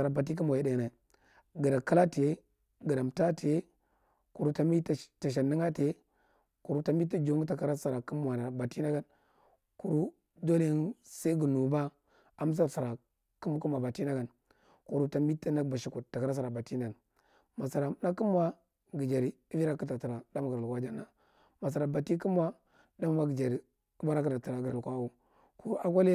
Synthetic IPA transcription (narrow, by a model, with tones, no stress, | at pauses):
a˨ɾa˨ba˨t̬i˦k̬i˦m˨i˦da˨na˨ | ɡə˨da˨ka˦la˦ti˨je˦ | ɡə˨da˨m˨ta˦ti˨je˦ | ku˨ɾu˦ta˦mi˦tta˨ʃ̬a˨ni˦ŋa˦te˨e˦ | ku˨ɾu˦ta˦mi˦ta˦d͡ʒo˦ŋ˦ta˨ka˨˦ɾa˦sa˨ɾa˨ku˦mwa˨na˨ba˨ti˦na˦ɡa˦n | ku˨ɾu˦ | do˦le˦nsa˦i˦ɡu˨nu˨ba˦ | a˦m˦s̬a˦ɾsa˨ɾa˨ | ku˦mu˦ku˦m˨a˨ba˨ti˦na˦ɡa˨n | ku˨ɾu˨ta˨mi˦tːa˦na˦ba˨ʃi˦ku˨tːa˨ka˨ɾa˦sa˨ɾa˨ba˨ti˦na˨n˨ | ma˨sa˨ɾa˨˦na˦ki˦m˦wa˦ | ɡi˨d͡ʒa˨ɾi˨ | i˦vi˦ɾa˦ku˦ta˨ti˨ɾa˨da˦m˨ɡɾi˨lkʷa˦d͡ʒa˦na˨ | ma˨s̬a˨ɾa˨ba˨ti˦ki˦m˦a˦ | da˦m˦wa˦ɡi˨d͡ʒa˨ɾi˨ | u˦ba˦ɾa˦ka˦ta˨ti˨ɾa˨ɡə˨ɾi˨kʷa˦u˦ | ku˨ɾu˦ʔa˦k̬ʷa˦le˦